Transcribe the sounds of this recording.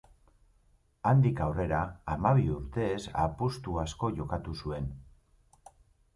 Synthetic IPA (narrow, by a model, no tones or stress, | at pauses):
and̪ikawre̞ɾaːmaβ̞iuɾt̪e̞ːsa̰pust̪uasko̞ʝo̞kat̪usue̞n